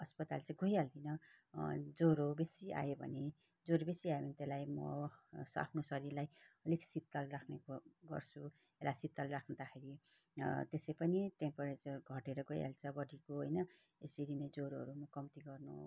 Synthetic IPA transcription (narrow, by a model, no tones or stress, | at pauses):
ʌspʌt̪alt͡sʌ̃ɡʱojald̪ʰʱinʌ | d͡zoɾobesia̰jobʱʌ̰ne | d͡zoɾobesiajobʱʌnet̪elajmʌ̰sa̰pʰnosʌɾiɾlajʌliksit̪ːalrakʰneɡʌ̰rt͡sʰu | elasit̪ːalrakʰnʌd̪axʰeɾi | t̪esejpʌniʈempʌret͡sɡʱʌʈeɾʌɡʱoja̰lt͡sʰʌbʌɖʱikoɦojnʌ | ḛsiɾined͡zoɾoɦʌ̰ɾumʌkʌmt̪iɡʌrnṵ